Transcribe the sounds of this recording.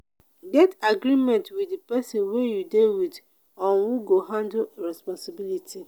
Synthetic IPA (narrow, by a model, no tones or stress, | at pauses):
ɡɛtaɡɾimɛ̃ntwidipɛsɔ̃nwejudewid | ɔ̃nwuɡoɦãndɹɛspɔ̃nsibilitʰi